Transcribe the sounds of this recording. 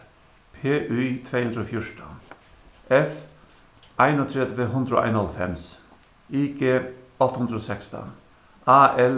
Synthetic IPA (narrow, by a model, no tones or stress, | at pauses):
pʰeːʔyt̪ʰɾeːhʉnd̪ɾəoːfjʊʂʈə | ʔɛf | ʔæɪnoːt̪ʰɾɛd̪ʋəɦʉnd̪ɾəo̰ːʔæ̰ɪnɑlfɛ̰ms | iːkʰeː | ɑt̪əhʉnd̪ɾəoːsɛkst̪ə̰ | ɑːʔɛl